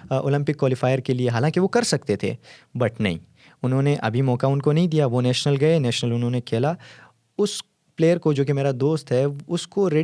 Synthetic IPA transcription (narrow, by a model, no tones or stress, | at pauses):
o̰ːlɐ̃mpɪkːwaːlɪfaːɪəɾkelieɦaːlãːŋkiʋokɐɾsɐk̚t̪et̪ʰḛːbɐʈnɐ̰ɦḭ̃ː | ʊnɦõːneʔɐ̰bʱimɔːkaʊnkonɐɦĩd̪ijaʋonɛːʃnəlɡɐenɛːʃnəlʊnɦõːnekʰeːla | ʊs | pleːjəɾkod͡ʒoːkemeːɾad̪oːst̪ɦɛʊskoɾeː